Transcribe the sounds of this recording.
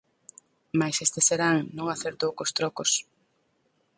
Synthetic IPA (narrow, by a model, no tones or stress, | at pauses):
majsest̪eseɾaŋnõŋaθeɾt̪owkost̪ɾɔkos